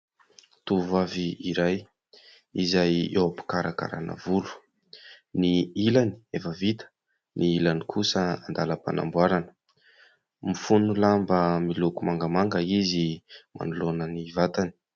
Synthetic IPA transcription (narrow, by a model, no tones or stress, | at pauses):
t̪uvaviiɾaj | izajewapi̥kaɾaka̰ɾa̰nə̰vulu̥ | niilani̥efəvit̪ə̥ | niilanikʰusəand̪aləpa̰na̰mbwaɾanə̥ | mifunulambəmilukumaŋɡəmaŋɡəizimʔa̰nulonənivat̪ani̥